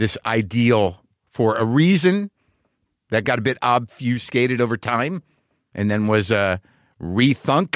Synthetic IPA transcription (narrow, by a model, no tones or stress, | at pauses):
ðɪsa̰ɪdil̩ˠ | fə˞ɨɹizɨ̃n | ðɨt̚ɡ̥ɑɾɨbɪɾɑbfjʉskeɪɾɨɾoʊvə˞tʰãɪ̃m | ʔɨ̃nðɨ̃nwʌzʌ | ɹiθʌ̃ŋk